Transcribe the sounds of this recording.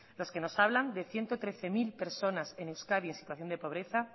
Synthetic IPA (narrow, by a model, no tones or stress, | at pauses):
lo̞ske̞no̞saβland̪e̞θje̞nt̪ot̪ɾe̞θe̞milpe̞ɾso̞nase̞newskaðie̞nsi̥t̪waθjo̞nd̪e̞po̞βɾe̞θa